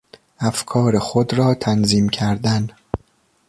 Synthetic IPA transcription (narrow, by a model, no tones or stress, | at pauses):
æfkʰɒːɾexod̪ɾɒːt̪ʰænziːmcʰæɾd̪æn